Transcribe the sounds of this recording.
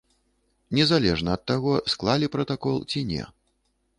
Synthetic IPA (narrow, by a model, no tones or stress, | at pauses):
nʲɛzalʲɛʐnɐːt̪ːaɣɔsklˠalʲipɾɐt̪akɔlˠt͡sʲinʲɛ̰